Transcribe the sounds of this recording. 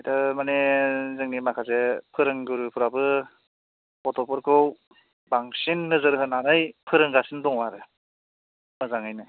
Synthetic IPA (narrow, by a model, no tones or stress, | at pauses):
ajtɯmanezɯŋnimakʰasepʰɯɾɯŋɡɯɾɯpʰɯɾabɯ | ɔtɔpɯɾkʰɯw | baŋsinːɯzɯɾɦɯnanɯjpʰɯɾɯŋɡasindɔŋwaɾɯ | mɯzaŋajnɯ